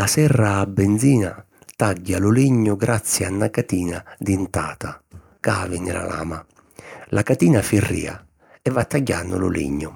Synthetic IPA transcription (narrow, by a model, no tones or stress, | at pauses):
lasɛrːaːbːɛnd̪ziːna | t̪aɟːalʊliɲːʊɡɾat̪sːianːakat̪iːnad̪int̪a̰ːt̪a | kaːvɪnɪla̰la̰ːma | lʔakat̪iːnafirːḭːa̰ | ɛvːat̪ːaɟːanːʊ̰lʊ̰lḭɲːʊ